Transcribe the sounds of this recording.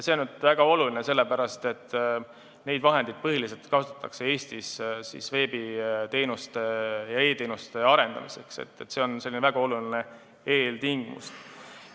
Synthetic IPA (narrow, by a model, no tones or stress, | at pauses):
se̞onyd̪væɡ̥ɑo̞lulinese̞lːe̞pæɾɑst̪e̞t̪ːˑ | ne̞jd̪vɑɦe̞nd̪̥id̪̚pɤ̞ɦilise̞lt̪kɑt̪ut̪ːˑɑkse̞e̞ːst̪issḭsve̞ːbit̪e̞ːnust̪e̞jɑe̞ːt̪e̞ːnust̪e̞ɑɾe̞nd̪ɑ̰mise̞̰ksḛt̪ːet̪ːse̞o̞nse̞lːinevæɡ̥ɑo̞luline̞ | e̞ːlt̪iŋɡ̥imṵst̪